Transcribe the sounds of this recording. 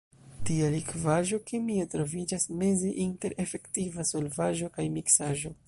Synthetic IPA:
tialikvaʒo̞kemietɾo̞vid͡ʒasme̞zeʔinte̞ɾʔe̞fe̞ktivaso̞lvaʒo̞kajmiksaʒo̞

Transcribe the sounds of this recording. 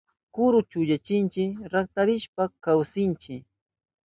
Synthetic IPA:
kʊɾʊt͡ʃʊʎat͡ʃɪnt͡ʃɪɾak̚t̪aɾɪʃpakawsɪnt͡ʃɪ

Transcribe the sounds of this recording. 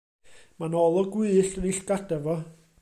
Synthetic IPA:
manɔlˠɔɡwɪðɬənɪɬɡ̥adɛvɔ

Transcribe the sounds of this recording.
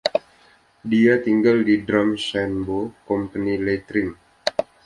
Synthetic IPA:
diat̪iŋɡaldidɾamsɛnbokɔmpənilet̪ɾim

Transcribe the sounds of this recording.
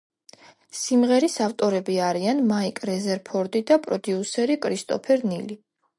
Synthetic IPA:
simʁɛɾisaft̪ʼɔɾɛbiaɾianmaikʼɾɛzɛɾpʰɔɾd̪id̪apʼɾɔd̪iusɛɾikʼɾist̪ʼɔ̰pʰɛɾnili

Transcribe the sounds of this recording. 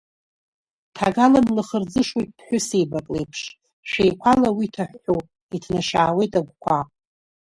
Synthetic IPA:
tʰaɡalanlɨχərd͡zɨʂwejt̚ʼpʰħʷᶣʊsejbakʼlejpʰʂ | ʃᶣejkʷʰalawitʰaħːo | itʰnaʃaːwe̞jtʼaɡʷkʷʰa

